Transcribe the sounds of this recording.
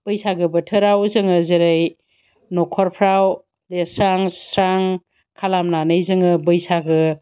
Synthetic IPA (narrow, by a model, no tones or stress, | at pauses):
b̥ɯjsaɡɯbɐtʰɯɾawzɯŋɯzeɾɯj | nɔkʰɔɾpʰɾaw | lesɾaŋsɾaŋ | kʰalamnanɯjzɯŋɯbɯjsaɡɯ